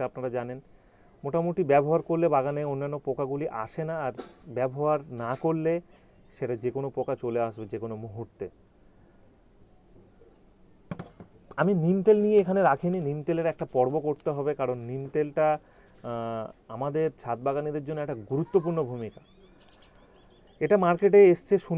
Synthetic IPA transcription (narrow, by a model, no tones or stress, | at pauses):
apnaɾad͡ʑanen | moʈamoʈibɛboɦaɾkoɾlebaɡaneonːanːopokaɡuliʔa̰ʃenaːɾbɛboɦaɾnakoɾle | ʃeʈad͡ʑekonopokat͡ɕoleaʃbed͡ʑekonomuɦuɾt̪e | aminimt̪elnijeekʰaneɾakʰininimt̪eleɾɛk̚ʈapɔɾbokoɾt̪eɦɔbekaɾonːimt̪elʈa | amad̪eɾt͡ɕʰat̪̚baɡanid̪eɾd͡ʑonːoɛk̚ʈaɡuɾut̪ːop̬uɾnobʱumika | eʈamaɾkeʈ̬eeʃt͡ɕʰeʃu